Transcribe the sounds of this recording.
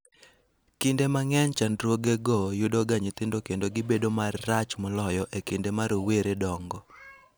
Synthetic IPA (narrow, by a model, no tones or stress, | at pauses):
kindemaŋɛnt͡ʃandɾwoɡeɡɔjʊdɔɡaɲɪt̪ɪndokendoɡɪbedomarːat͡ʃmɔlɔjɔʔekindemaɾoweɾedɔŋɡɔ